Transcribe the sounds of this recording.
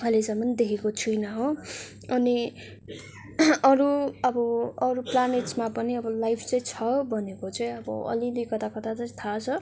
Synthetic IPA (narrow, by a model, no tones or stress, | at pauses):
kʰʌlesʌmʌnd̪ekʰekot͡sʰujnʌɦo | ʌni | ʌɾuʌbʌʌɾuplaneʈsmapʌniʌbʌlajpʰt͡sʌj̃t͡sʰʌbʱʌnekot͡sʌĩʌbʌ̰ʌ̰lilekʌt̪akʌt̪at͡sʌĩt̪ʰat͡sʰʌ